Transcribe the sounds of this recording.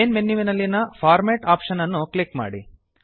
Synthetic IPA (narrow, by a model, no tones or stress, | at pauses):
enmenːiʋinɐlːinɐpʰaːɾmeʈaːpʂɐnɐnːuklikma̰ːɽḭ